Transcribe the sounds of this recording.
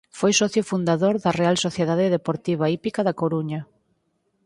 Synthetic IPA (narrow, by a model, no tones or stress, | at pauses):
fojsɔθjʊfund̪aðoɾðɐrealsoθjeðaðeðepoɾt̪iβ̞aipikaðakoɾuɲɐ